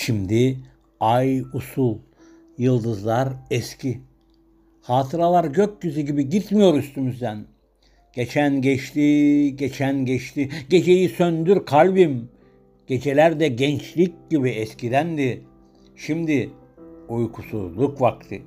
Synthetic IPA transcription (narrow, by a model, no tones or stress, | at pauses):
ʃimd̪i | ajusulˠ | jɯlˠd̪ɯzlˠaɾɛscʰi | haːt̪ʰɯɾalˠaɾɟøk̚ɟyzyɟibiɟit̪mijo̞ɾyst̪ʰymyzd̪æn | ɟ̥e̞t͡ʃʰænɟɛt͡ʃt̪ʰiɟet͡ʃʰænɟɛt͡ʃt̪ʰiɟe̞d͡ʒe̞jisønd̪yɾkʰalʲbim | ɟ̥e̞d͡ʒe̞lʲæɾd̪ɛɟɛnt͡ʃlʲic̚ɟibiɛscʰid̪ænd̪i | ʃimd̪i | ujkʰusuzlˠukvakt̪ʰɯ